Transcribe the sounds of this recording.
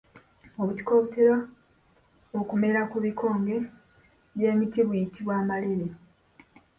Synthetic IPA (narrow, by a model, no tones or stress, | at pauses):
oβuti̥ko̞ːβuteɾa | okume̞ɾakuβikʰo̞ːŋɡe̞ | βje̞ːmitiβujitiβwaːmaleɾe